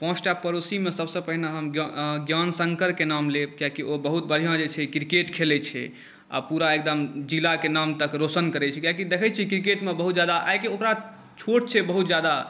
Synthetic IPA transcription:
pɔ̃t͡ʃʰʈapəɾosimesəbsə̃pəɦineɦəmɡɡjansəŋkəɾkenamlebkjakiʔobəɦut̪bəɽ̤ʱijãd͡ʒet͡ʃʰɛkɾikeʈkʰelɛt͡ʃʰɛ̰ | a̰puɾaek̚d̪əmd͡ʒilakenamt̪əkɾosənkəɾɛt͡ʃʰɛkjakid̪ekʰɛt͡ʃʰikɾikeʈmebəɦut̪̚d͡ʒjad̪aʔakiokɾa | t͡ʃʰoʈ̚t͡ʃʰɛbəɦut̪̚d͡ʒjad̪a

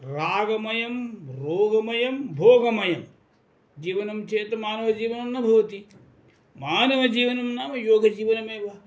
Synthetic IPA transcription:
ɾaːɡɐmɐjɐmɾoːɡɐmɐjɐmbʱoːɡɐmɐjɐm | d͡ʒiːʋɐnɐmt͡ʃʰeːt̪ɐmaːnɐʋɐd͡ʒiːʋɐnɐmnɐbʱɐʋɐt̪i | maːnɐʋɐd͡ʒiːʋɐnɐmnaːmɐjoːɡʱɐd͡ʒiːʋɐnɐmeːʋɐ

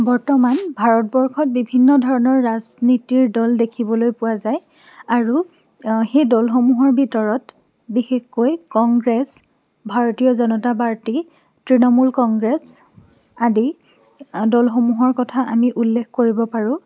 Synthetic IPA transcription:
bɔɹtɔmanbʱaɹɔt̚bɔɹkʰɔt̚bibʱinːɔdʱɔɹɔnɔɹːaznitiɹdɔldekʰibɔlojpʊwazaj | aɹu | xejdɔlxomuɦɔɹbʱitɔɹɔt | bixexːojkɔŋɡɹes | bʱaɹotijɔzɔnɔtapaɹti | tɹinɔmulkɔŋɡɹes | adi | dɔlxomuɦɔɹkɔtʰaʔamiʔulːekkoɹibɔpaɹʊ̃

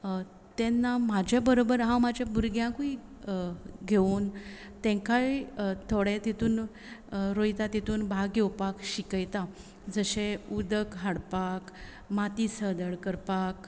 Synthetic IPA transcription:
t̪ɛnːamad͡ʑʱjabəɾobəɾɦãwmad͡ʑʱjabuɾɡjãkui | ɡʱeuːn | t̪ɛ̃ŋkajt̪ʰoɽẽt̪it̪uːn | ɾojt̪at̪it̪uːnbʱaɡewpakɕikəjt̪a | d͡zəɕeud̪əkɦaɽpak | mat̪isəd̪əɽkəɾpak

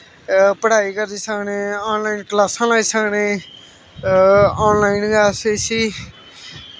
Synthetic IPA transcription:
pəɽaːikəɾiːsəkneːaːnlaːinklaːsãːlaːisəkneː | ɔːnlaːɪnɡasesiː

